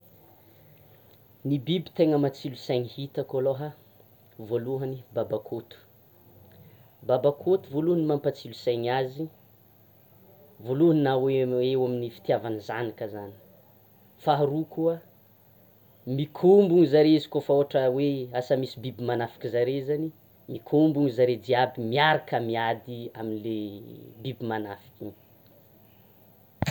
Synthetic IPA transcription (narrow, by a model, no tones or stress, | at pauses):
nibibi̥t̪eŋəmat͡silusajɲihit̪akoloɦa | voluɦənibabakʰot̪u̥ | babakʰot̪uvoluɦənimampat͡silusajɲazi | voluəninaweewaminifi̥t̪javanizanikəzani̥ | faaɾukuə | mikʰumbuŋizaɾeizi̥kofaoʈ͡ʂəweasamisibibimanafi̥kizaɾezani | mikʰumbuŋizaɾed͡ziabimiaɾakəmiad̪iaminlebibimanafi̥kʲi